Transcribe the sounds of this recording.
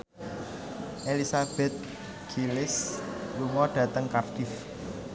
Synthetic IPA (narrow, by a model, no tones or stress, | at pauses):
ʔelisab̥ɛt̪̚ | ɡ̥ilɪsluŋɔɖ̥ä̤t̪əŋkard̪̥if